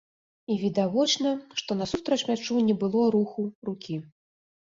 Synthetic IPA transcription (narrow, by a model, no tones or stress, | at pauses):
ivʲid̪avɔt͡ʂnɐʂt̪ɔnɐsust̪ɾɐt͡ʂmʲat͡ʂunʲɛbɨlˠɔɾuxurukʲi